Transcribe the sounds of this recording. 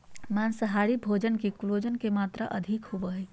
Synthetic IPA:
maːnsəɦaːɽibʱoːd͡ʒənkikʊloːd͡ʒənkemaːt̪ɾaʔɐd̪ʱikhuʋəɦɛ

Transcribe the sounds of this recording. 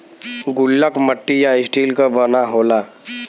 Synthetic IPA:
ɡʊlːəkməʈːijaɪsʈiːlkabənaɦoːlaː

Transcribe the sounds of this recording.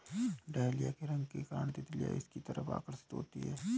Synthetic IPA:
ɖaːlijakeɾɐ̃ŋɡkekaːɳt̪et̪ɪlija̰ɪskit̪ɐɾəpʰa̰ːkəɾsə̥t̪ɦo̰ːt̪ḭɦɛː

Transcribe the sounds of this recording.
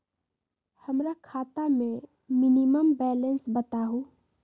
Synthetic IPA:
həmɾakʰat̪ame | miniməmbɛlənsbət̪aɦũ

